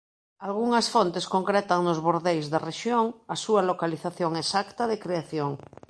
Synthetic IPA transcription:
alɣ̞uŋasfont̪eskoŋkɾɛt̪aŋnozβoɾðejzðareʃjoŋasualokaliθaθjoŋesakt̪aðekɾeaθjoŋ

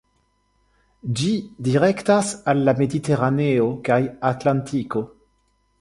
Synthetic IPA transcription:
d͡ʒidiʁektasalːamediteʁaneokajatlantʰiko̞

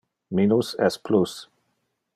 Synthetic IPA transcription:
minusɛ̰spʰlus

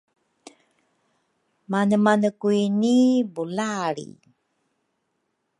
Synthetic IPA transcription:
manəmanəkuinibulaɭḭ

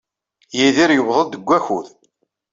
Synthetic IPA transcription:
jiðiɾjəwðˤəld̪əɡʷːæçuð

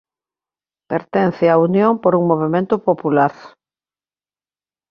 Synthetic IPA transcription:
peɾt̪ɛn̟θɪaunjoŋmpoɾuŋmoβ̞emẽnt̪ʊpopulaɾ

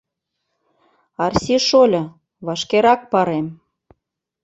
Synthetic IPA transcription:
ɑrsiʃolʲɤ̆ | βɑʃkeɾɑk̚pɑɾem

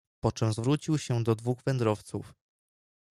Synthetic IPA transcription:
pɔt͡ʂɛmzvɾut͡ɕiwɕɛd̪ɔd̪vuɣvɛnd̪ɾɔft̪sṵf

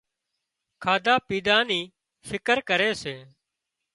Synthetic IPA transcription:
kʰaːd̪aːpiːd̪aːniː | fɪkəɾkəɾeːseː

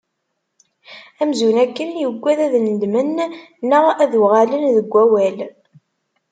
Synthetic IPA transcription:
æmzunækːənjəɡʷːæðæðnəd̪mənː | əʁæðʁalənðəɡʷːæwæl

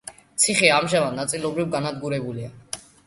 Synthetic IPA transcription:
t̪sʰiχiamʒamad̪nat̪sʼilɔbɾivɡanad̪ɡuɾɛbulia

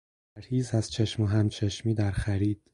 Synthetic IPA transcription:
æɾhiːzæz̥t͡ʃʰeʃmoɦæmt͡ʃʰeʃmiːd̪æɾxæɾiːd̪̥

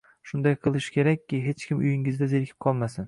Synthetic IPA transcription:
ʃʊnd̪ajqʰɨlˠɪʃkʲʰe̞ɾakʲːɪɦe̞t͡ʃkʲɪmʔʊjɪŋɪzd̪azeɾkʲʰɪ̥p̚qʰɒlˠmasɪn

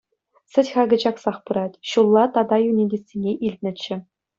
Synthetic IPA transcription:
sɘ̆tʲχɑɡɤ̆d͡ʑɑksɑχpɯɾɑtʲɕulˠːɑt̪ɑd̪ɑjunʲidʲesʲːenʲeʔilʲt̪ʲnʲɘ̆t͡ɕːɘ̆

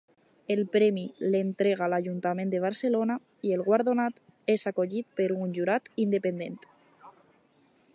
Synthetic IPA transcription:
elpɾɛmilent̪ɾeɣ̞aːlaʒunt̪amẽnd̪eβ̞aɾselona | ielˠɣwaɾðonat̪ | ezakoʎit̪̚peɾunʲʒuɾat̪ind̪epend̪ent̪

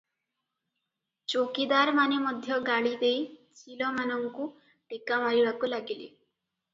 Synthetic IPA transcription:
t͡ʃokid̪aɾmanemɔd̪ʱjɔɡaɭid̪ejt͡ʃʰilɔmanɔŋku | ʈekamaɾiɽakulaɡilḛ

